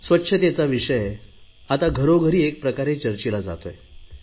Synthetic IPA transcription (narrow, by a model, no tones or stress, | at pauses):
sʋətːɕʰət̪jat͡saʋiʂəj | at̪aɡʱəɾoɡʱəɾiːek̚pɾəkaɾet͡ɕəɾt͡ɕilad͡za̰t̪oje